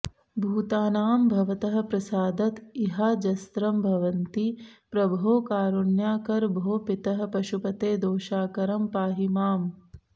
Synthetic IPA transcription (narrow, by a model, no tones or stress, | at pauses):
bʱuːt̪aːnaːmbʱɐʋɐt̪ɐɦɐ̆pɾɐsaːd̪ɐt̪iɦaːd͡ʒɐst̪ɾɐmbʱɐʋɐnt̪ipɾɐbʱɐɦoːkaːɾuɳjaːkɐɾbʱoːpit̪ɐɦɐ̆pɐʃupɐt̪eːd̪oːʃaːkɐɾɐmpaːɦimaːm